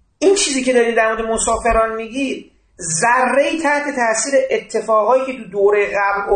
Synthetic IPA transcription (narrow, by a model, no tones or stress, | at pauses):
ʔiːnt͡ʃʰiːziːcʰe̞d̪ɒːɾiːmd̪æɾmoɾd̪emosɒːfe̞ɾɒːnmiːɟiːd | zærːeiːt̪ʰæht̪ʰet̪ʰæʔsiːɾeʔet̪ʰːe̞fɒːɣɒːjiːcʰe̞t̪ud̪oɾejeɣæbl